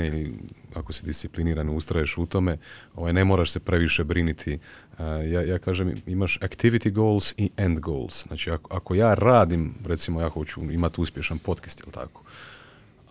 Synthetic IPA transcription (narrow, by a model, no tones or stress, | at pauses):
eiliako̞sed̪ist̪sipliniːɾaniust̪ɾajeʃut̪o̞me̞oʋajne̞moːɾaʃse̞pɾe̞ʋiʃe̞bɾinit̪ʰi | jaːjaːkaːʒemimaʃakt̪iʋit̪iɡolˠsiʔend̪ɡoːlszna̰ːt͡ʃiakoako̞jaːɾaːd̪imɾe̞t̪simojaːxo̞t͡ɕuimat̪iuspʲje̞ʃanpo̞t̪ke̥st̪jḭlˠt̪ʰa̰ko̥